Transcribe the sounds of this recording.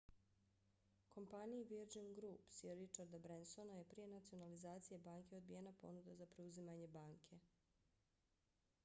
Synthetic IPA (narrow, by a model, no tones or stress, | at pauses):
kʰo̞mpanijiʋiɾd͡ʒinɡɾuːpsiɾit͡ʃaɾd̪abɾensonaje̞pɾije̞nat̪sio̞nalizaːt̪sije̞baːŋke̞o̞d̪̚bijenapo̞nud̪azapɾe̞uzimaɲe̞baːŋkʰe̞